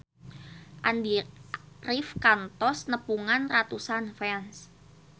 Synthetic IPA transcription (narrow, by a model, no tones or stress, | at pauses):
ʔand̪i | rifkant̪ɔsnəpuŋanrat̪usanfɛns